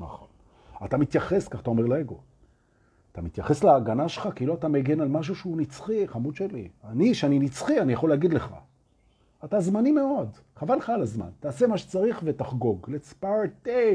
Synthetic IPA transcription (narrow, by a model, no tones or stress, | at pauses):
na̰χon | at̪amit̪jaχeskaχat̪aome̞ʁleeɡo̞ | at̪amit̪jaχe̞sleaɡanaʃelχakiloat̪ameɡenalmaʃ̬uʃeunit͡sχiχamud̪ʃelianiʃeaninit͡sχianijaχo̞leaɡid̪leχa̰ | atazmanimeo̞d | χavanχaalazma̰nt̪aːse̞maʃe̥t͡saʁiχvetaχɡo̞ɡlet͡spaʁt̪e